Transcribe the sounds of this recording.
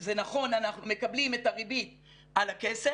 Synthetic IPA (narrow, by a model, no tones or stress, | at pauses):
ze̞naχo̞nanaχnume̞kablime̞taʁibit̪̚ | alakese